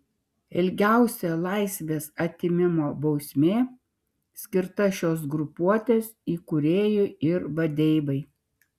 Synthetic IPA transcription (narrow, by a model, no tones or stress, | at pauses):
ɪlʲɡʲæˑʊsʲɛlˠɐˑɪsʲʋʲeːsɐt̪ʲɪmʲɪmoːbɒʊsʲmʲeː | sʲkʲɪɾt̪ɐʃʲoːs̬ɡɾʊpuɔt̪ʲeːsiːkʊɾʲeːjʊɪɾʋɐd̪ʲɛɪbɐɪ